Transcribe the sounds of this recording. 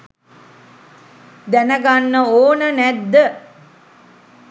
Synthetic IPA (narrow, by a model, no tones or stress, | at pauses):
d̪ænəɡanːəoːnənæd̪ːə